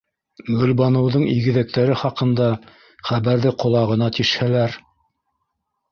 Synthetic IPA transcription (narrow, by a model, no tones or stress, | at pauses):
ɡɵ̆lbɑnɤ̆wðɤɴiɡɘ̆ðæk̚t̪æɾɘχɑqɤ̆nd̪ɑ | χæβæɾðɘqŏlˠɑʁɤ̆nɑt̪iʃhælæɾ